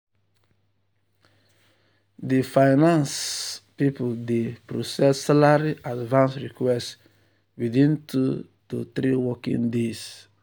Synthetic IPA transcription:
difajnãnspipudepɾosɛssalaɾiʔadvãnsɹikwɛst | widĩntʰu | dotɾiwɔkḭ̃ndis

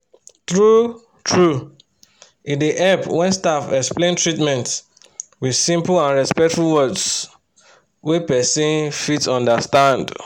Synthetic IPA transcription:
θɹu | tʰɹu | ĩndeʔɛpwɛ̃nstafɛksplẽntʰɹitmɛ̃nts | wið̥sĩmplãnɹɛspɛk̚tfulwɜds | wepɛsĩnfitsɔ̃ndəstãnd

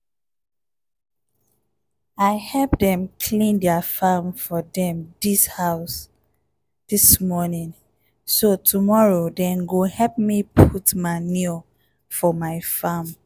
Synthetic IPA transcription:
aɪhɛlpdɛ̃mkʰlĩndɛafãmfɔdɛ̃mdishaʊs | d̥ismɔnĩn | sotʰumɔɹodɛ̃nɡohɛp̚mipʰutmani | fɔmaɪfãm

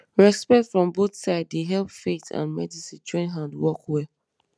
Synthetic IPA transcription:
ɹɛspɛk̚tfɹɔ̃mboθsaɪdːeɦɛlpfetʰã̰nmɛdisĩtʰɹɔ̃nɦãndwɔkwɛ

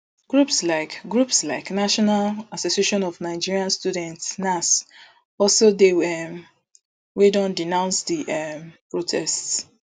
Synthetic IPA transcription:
ɡ̥ɹupslaɪkɡɹupslaɪknaʃɔnalasosieʃɔ̃nɔvnaɪd͡ʒiɹiãnstudɛ̃ntsnas | ɔlsodeɛm | wedɔ̃ndinãʊ̃nsdiʔɛmpɹotʰɛsts

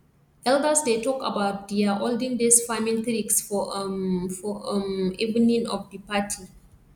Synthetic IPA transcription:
ʔɛldəsdetɔka̰baʊt̚diaʔoldĩŋdesfãmĩnθɾiksfɔ | fɔmivənĩŋɔfdipatʰi

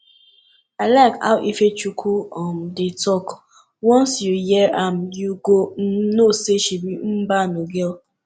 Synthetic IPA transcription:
aɪlaɪka̰ʊʔifet͡ʃukʰuɔm̩detɔk | wɔnsjujɛam̩juɡon̩noseʃibim̩banoɡel

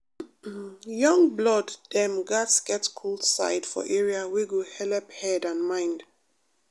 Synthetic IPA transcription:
jɔ̃ŋblɔdːɛ̃mɡatsɡ̥ɛtkʰuldsa̰ɪd̥fɔ̰ʔɛɹiaweɡohɛlɛphɛdãnmãɪ̃nd

